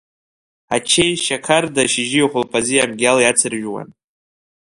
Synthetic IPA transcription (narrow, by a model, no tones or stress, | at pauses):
at͡ʃʰejʃakʰardaʃɪʒijχʷʊlpʰʼazijamɡʲaljat͡sʰɨrʒᶣwa̰n